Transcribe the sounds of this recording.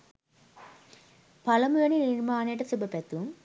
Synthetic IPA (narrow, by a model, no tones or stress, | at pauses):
pɐlɐmujɐnininmaːneːʈɐsubɐpet̪ːu